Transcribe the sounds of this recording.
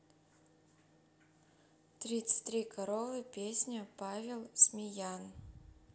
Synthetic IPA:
t̪ɾʲit̪sɨ̥t̚ʲt̪ɾʲikɐɾovɨpʲesʲnʲəpavʲɪlˠsʲmʲɪjan

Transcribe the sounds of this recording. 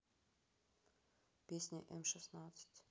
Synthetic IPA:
pʲesʲnʲɪʔɛmʂɨsnat̪sɨ̥tʲ

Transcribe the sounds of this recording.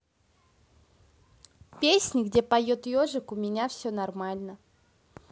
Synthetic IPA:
pʲesʲnʲɪɡdʲe̞pɐjot̪joʐɨkʊmʲɪnʲafsʲɵnɐrmalʲnə

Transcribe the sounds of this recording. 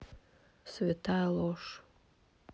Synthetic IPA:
svet̪ʰalˠoʂ

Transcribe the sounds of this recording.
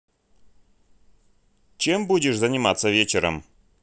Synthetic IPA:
t͡ɕembudʲɪʂzənʲɪmat̪səvʲet͡ɕɪɾə̰m

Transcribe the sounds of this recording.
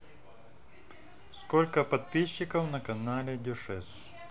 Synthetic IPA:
skolʲkəpɐt̪̚pʲiɕːɪkɐwnɐkɐnalʲɛd̪ʲɔʂɛs

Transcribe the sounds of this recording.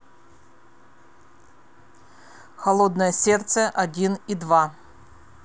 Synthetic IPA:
xɐlˠod̪nəjəsʲert̪səʔɐdʲinid̪va

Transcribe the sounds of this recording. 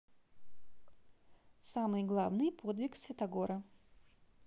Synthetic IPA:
samɨjɡlˠavnɨjpʰo̞d̪vʲɪksvʲɪt̪ɐɡo̞ɾə

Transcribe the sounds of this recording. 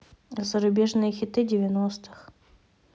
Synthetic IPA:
zəɾʊbʲeʐnɨjəxʲɪt̪ɨdʲɪvʲɪnost̪ɨ̥x

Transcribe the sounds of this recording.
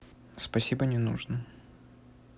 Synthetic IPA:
spɐsʲibənʲɪnṵʐnə

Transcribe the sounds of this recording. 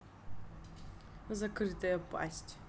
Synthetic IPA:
zɐkɾɨt̪ɐjɐpʼa̰sʲtʲ

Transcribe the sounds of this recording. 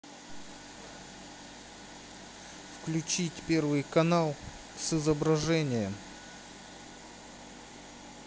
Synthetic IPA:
fklʲʉt͡ɕitʲpʲe̞rvɨjkɐnalˠ | sɨzəbɾɐʐɛnʲɪjə

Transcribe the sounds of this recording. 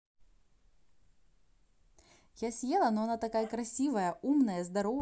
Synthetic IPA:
jasʲjɛlˠɐnɔanat̪akajɐkɾasʲivɐjɐʔumnɐjɐzd̪aɾɔ

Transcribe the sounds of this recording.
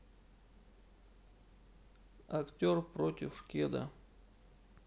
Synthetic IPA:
ɐktʲorpɾotʲɪfʂkʲed̪ə̰

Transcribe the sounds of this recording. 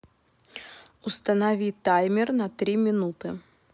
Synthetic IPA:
ust̪ɐnavʲit̪ajmʲɪrnɐt̪ɾʲimʲɪnut̪ɨ

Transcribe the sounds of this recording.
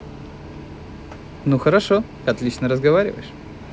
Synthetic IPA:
nuxəɾɐʂo | ɐt̪lʲit͡ɕnəɾəzɡɐvaɾʲɪ̰və̰jɪʂ

